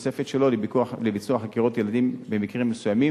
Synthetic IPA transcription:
sefet̪ʃelo̞libikualebit͡suaχakiʁo̞t̪jelad̪imbe̞mikʁimːesujami

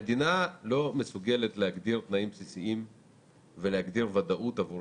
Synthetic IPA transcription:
ed̪inalo̞me̞suɡe̞le̞t̪leaɡd̪iʁt̪naimpsisiim | velehaɡd̪iʁvad̪aʔut̪avu

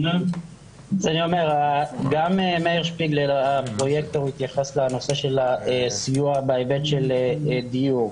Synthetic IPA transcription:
zanio̞me̞ʁaɡamemeiʁʃpiɡlelapʁo̞je̞k̚t̪aʁuit̪jaχesleano̞se̞ʃe̞laesijuabejbet̪ʃeld̪ijuʁ

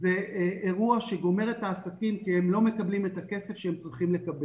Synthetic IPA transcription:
ze̞eʁuaʃe̞ɡo̞me̞ʁetaːsakimkihemlo̞me̞kablime̞take̞se̞fʃeemt͡sʁiχimle̞kabe

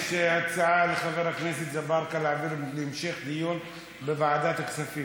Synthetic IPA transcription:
ʃeat͡saʕalexaveɾhakneset̪zabɑɾˤkalaʕviɾlɪmʃexd̪ijun | bevaʕad̪at̪aksafi

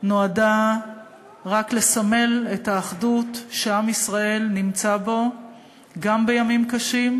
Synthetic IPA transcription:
noada | ʁakle̞same̞le̞taːχdutʃeamisʁae̞lnimt͡sabo̞ | ɡambe̞jamimkaʃim

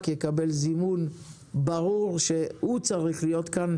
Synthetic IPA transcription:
kjekabe̞lzimun | baʁuʁʃehut͡saʁiχlijo̞t̪kan

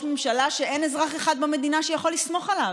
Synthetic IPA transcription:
memʃalaʃe̞ʔe̞ne̞zʁaχeχad̪̚beme̞d̪inaʃejaχo̞lismo̞χala

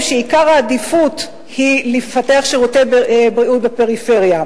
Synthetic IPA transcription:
ʃeikaʁaːd̪ifut | hilefateaχʃeʁotebbʁiut̚bepeʁife̞ʁja

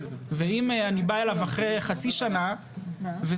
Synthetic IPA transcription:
veimanibaelavaχʁeχat͡siʃana | ve

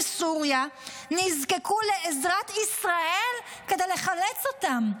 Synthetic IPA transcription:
suʁjanizkekule̞ʔezʁat̪isʁaelkedejle̞χalet͡sot̪am

